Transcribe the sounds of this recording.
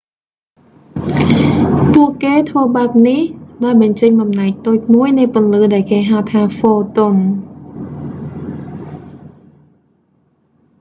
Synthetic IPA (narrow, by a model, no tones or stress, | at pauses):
puəʔkeːt̪ʰʋəːɓaəp̚nihɗaɔjɓɑɲt͡ɕəɲɓɑmnaɛk̚t̪oːc̚muəjnɨjpʊ̆ənlɨːɗaɛlkeːɦaət̪ʰaːfoːt̪on